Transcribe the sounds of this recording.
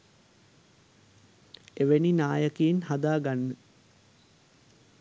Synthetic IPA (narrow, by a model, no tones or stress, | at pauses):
eʋeninaːjəkeːnhad̪aːɡanːə